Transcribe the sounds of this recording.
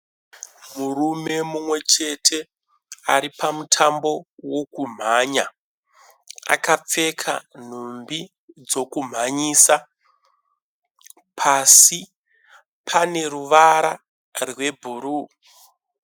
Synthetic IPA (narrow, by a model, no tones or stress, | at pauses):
murume̞mumwe̞t͡ʃe̞tʰe̞ | aɾipamutʰambo̞wo̞kum̤aɲa | a̰kap͡fe̞kʰa̰n̤umbi | d͡zo̞kum̤aɲiːsa | pʰasi | pʰane̞ruʋaɾa | rwe̞bʱuɾu